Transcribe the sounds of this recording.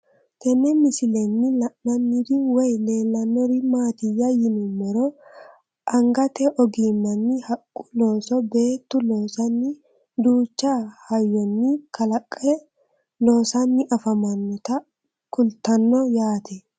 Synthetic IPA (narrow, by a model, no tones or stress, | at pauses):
t̪ɛnːɛmɪsɪlɛnːɪlɐʔnɐnːɪɾɪwɛjle̞ːlːɐnːɔɾɪmaːt̪ɪjːɐjɪnʊmɔɾɔ | ʔɐŋɡɐt̪ɛʔɔɡiːmːɐnːɪhɐkʼːʊ̥lo̞ːsɔbe̞ːt̪ːʊlo̞ːsɐnːɪ | d̪uːt͡ʃːahɐjːɔnːɪkɐlɐkʼːɛ | lo̞ːsɐnːɪʔɐfɐmɐnːɔt̪ɐ | kʊlt̪ɐnːɔjaːt̪ɛ